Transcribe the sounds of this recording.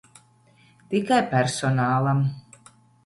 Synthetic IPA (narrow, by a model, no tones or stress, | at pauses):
t̪ikajpæɾsɔnaːlˠam